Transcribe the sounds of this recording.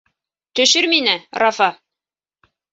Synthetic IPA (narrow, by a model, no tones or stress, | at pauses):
t̪ɵ̆ʃɵɾminɘrɑfɑ